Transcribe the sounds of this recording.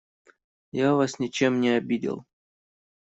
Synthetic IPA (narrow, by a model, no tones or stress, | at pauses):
javasnʲɪt͡ɕemnʲɪɐbʲidʲɪ̰lˠ